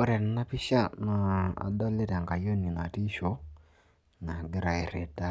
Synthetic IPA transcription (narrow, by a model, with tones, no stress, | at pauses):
o˦ɾɛ˨n˨˦na˦pɪ˦ʃa˦na˨a̰˨dɔ˦le˦ta˨ŋɡa˨jo˦ni˨na˨ti˦ʃo˨˦ | na˨ɡɪ˦ɾa˨i˨ɾe˨ta˦